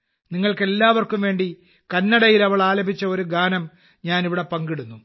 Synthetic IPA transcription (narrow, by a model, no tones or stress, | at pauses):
niŋːɐɭke̞lːaːʋɐrkumʋe̞ːɳɖi | kɐnːɐɽɐjilɐʋɐɭaːlɐbʱit͡ɕːɐo̞ɾuɡaːnɐm | ɲaːniʋiɽe̞pɐŋɡiɽunːu